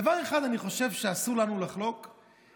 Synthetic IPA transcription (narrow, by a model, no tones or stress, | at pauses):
vaʁe̞χad̪aniχo̞ʃe̞vʃeasuʁlanulaχlo̞k